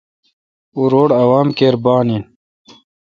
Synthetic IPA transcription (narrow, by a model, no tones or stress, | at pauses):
uɾoːɽɐwaːmkeːɾbaːnin